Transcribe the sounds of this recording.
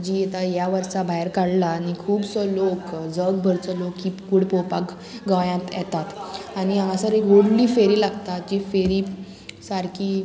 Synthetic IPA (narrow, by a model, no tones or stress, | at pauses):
d͡ʑiːjɛt̪ajaʋəɾsabʱajəɾkaɽlaːnikʰuːbsɔlokd͡zəɡ̚bʱəɾt͡sɔlokːiːkuɽpopak | ɡəʋjãt̪jɛ̰t̪at̪aɽ̃iaasəɾekɦoɽliːfeɾiːlaɡt̪at̪̚d͡ʑifeɾiː | saɾkiː